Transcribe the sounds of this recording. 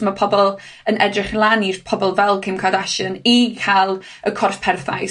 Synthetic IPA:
mapʰɔbɔlˠ | ənʔɛdrɪχlˠanirpʰɔbɔlˠvɛlˠkʰemkʰadaʃənikʰalˠ | əkʰɔrfpʰɛrθa̰j

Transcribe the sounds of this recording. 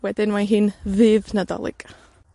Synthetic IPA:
wɛdɪnmaɦiːnvɨːvnadɔ̰lˠɪ̰ɡ̥

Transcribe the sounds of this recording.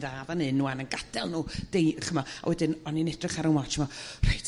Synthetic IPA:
ðaːðanɨnːuːanənɡad̥ɛlˠnuːd̥ejχəmɔa̰wʔɛdɨnɔninɛd̥rɪχaɾənwat͡ʃmɔr̥ajt

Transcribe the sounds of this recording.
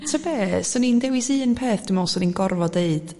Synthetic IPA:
tʰəbeːsɔnindɛwɪsiːənpʰeːθd̥ɪmɔsɔninɡɔrvɔdeɨd̥

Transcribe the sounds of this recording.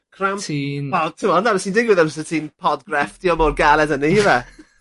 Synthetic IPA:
kʰramtiɔtʰəmɔənaɾɪsindɪɡwɪðɛmssətʰiːnpʰɔdɡrɛfd̥ijɔmoːdɡalˠɛdənihivɛ

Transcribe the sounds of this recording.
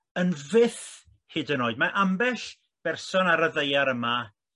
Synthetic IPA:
ənvɪθ | hɪdənoːɨdmaʔambɛɬ | b̥ɛrsɔnaɾəðejaɾəma

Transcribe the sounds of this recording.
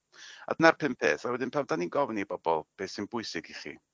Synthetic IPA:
a̰dənarpʰɨmpʰḛːθawɛdɪnpʰawdaninɡɔvnibɔbɔlˠb̥eːsinbʊɨsɪɡiχḭ

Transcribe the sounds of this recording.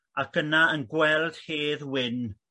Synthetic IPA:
akənaənɡwɛlˠd̥heːðwɪn

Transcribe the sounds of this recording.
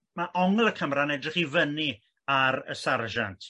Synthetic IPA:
maʔɔŋlˠəkʰəmranɛdrɪχivəni | aɾə̰sarʒantʰ

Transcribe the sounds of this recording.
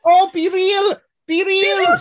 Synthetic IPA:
opiɾil | piɾil

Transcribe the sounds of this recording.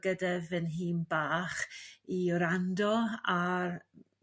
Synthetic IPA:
ɡədɛvənɦiːnbaːχiɔɾandɔa

